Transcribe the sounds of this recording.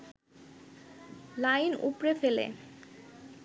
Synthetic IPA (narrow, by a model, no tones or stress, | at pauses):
lajnṵpɾefelḛ